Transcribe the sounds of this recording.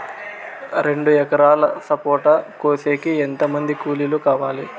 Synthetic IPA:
ɾe̞ɳɖuɛkɐɾaːlɐsɐpoːʈɐkoːseːkient̪ɐmɐnd̪ikuːlilukaːʋaːli

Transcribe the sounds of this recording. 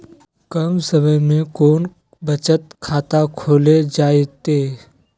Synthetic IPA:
kəmsəməjmẽkoːn | bət͡ʃət̪kʰaːt̪akʰoːled͡ʒaːet̪eː

